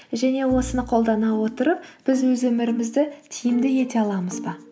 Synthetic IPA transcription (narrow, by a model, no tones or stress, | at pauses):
ʒæne̞wo̞sənəqʰo̞lˠd̪ɑnɑwo̞t̪əɾəp̚b̥ɪzwɵzwɵmɪɾɪmɪzd̪ɪt̪ʰijɪmd̪ɪje̞t̪e̞ɑlˠɑməzbɑ